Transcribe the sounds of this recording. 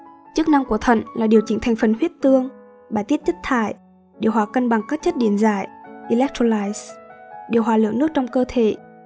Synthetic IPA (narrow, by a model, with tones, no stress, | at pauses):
t͡ɕɨ˦˥k̚na˧ŋku˧˩ət̪ʰə̰˧˨nlaː˨˩ɗi˨˩əwt͡ɕï˧˩˦t̪ʰa˨˩ŋ̟fə˨˩nhwi˦˥ət̚t̪ɨ˧əŋ | ɓaː˧˩jt̪i˦˥ət̪̚ʰə˦˥t̚t̪ʰa̰ː˧˩˨j | ɗḭ˨˩əwɦwaː˨˩kə˧nɓa˨˩ŋkaː˦˥k̚t͡ɕə˦˥t̚ɗi˧˩ənzaː˧˩jʔi˧lɛ˦˥k̚t̪ʰo˧laː˧jsɗi˨˩əwɦwaː˨˩lɨ̰˧˨əŋnɨ˦˥ək̚t͡ɕɔ˧wŋ͡mkəː˧t̪ʰḛ˧˨